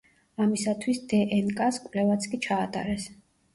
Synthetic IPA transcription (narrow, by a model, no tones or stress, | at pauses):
amisat̪ʰwisd̪ɛʔɛnkʼaskʼwvlɛvat̪sʰkʼit͡ʃʰaːt̪ʼa̰ɾɛs